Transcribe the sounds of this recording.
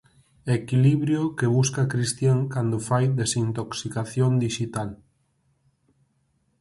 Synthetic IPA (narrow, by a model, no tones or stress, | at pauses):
ekiliβɾjokeβuskakɾist̪jaŋkand̪ʊfajd̪esint̪oksikaθjond̪iʃit̪al